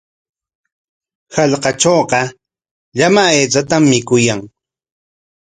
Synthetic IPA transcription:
hɑʎqɑt͡ʃoːqɑ | ʎamaet͡sat̪amːɪkʊjaŋ

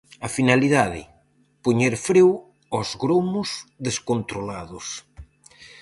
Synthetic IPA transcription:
afinaliðaðɪ̰ | poɲeɾfɾew | ɔzɣɾomʊsðeskont̪ɾolaðʊs

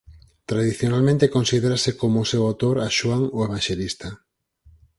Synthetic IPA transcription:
t̪ɾaðiθjonalmẽnt̪ekõnsiðeɾasekomʊsewawt̪oɾaʃwaŋoeβ̞anʃelist̪a

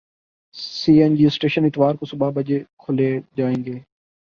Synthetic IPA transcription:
siːɛnd͡ʒiːsʈeːʃənɪt̪ʋaːɾkosʊbabəd͡ʒekʰʊleːd͡ʒaːẽːŋɡeː

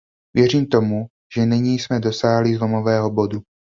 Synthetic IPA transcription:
vjɛr̝iːmt̪o̞mu | ʒ̥ɛnɛɲiːsmɛdo̞saːɦlizlo̞mo̞vɛːɦo̞bo̞du

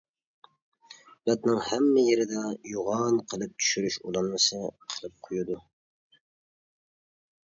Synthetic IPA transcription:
lɛt̪nɪŋhɛmːɪjeɾɪd̪ɛjuʁɑnqʰəlˠɨp̚t̪ʰy̥ʃyɾyʃulˠɑnmɨsɨqʰəlˠɨp̚qʰojud̪u

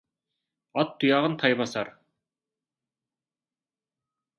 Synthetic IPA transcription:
ɑt̪ːujɑʁɤnt̪ʰɑjβɑsɑɾ

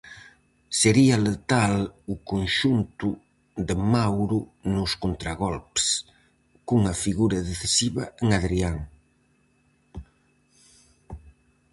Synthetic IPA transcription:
seɾialet̪alʊkonʃunt̪ʊ | ðemawɾʊnʊskont̪ɾaɣɔlps | kŋɐfiɣuɾɐðeθesiβɐeŋaðɾiaŋ

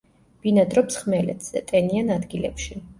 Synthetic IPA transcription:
b̥inad̪ɾɔpsχmɛlɛ̰t̪ʰz̥ɛ̰t̪ʼɛnianad̪ɡilɛ̰pʃi

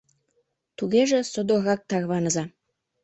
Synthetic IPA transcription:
t̪uɣeʒesod̪oɣɑk̚t̪ɑrβɑnə̆zɑ

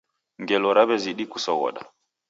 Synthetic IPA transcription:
ŋɡɛlɔɾaβɛziɗikusɔɣɔ̰ɗa̰

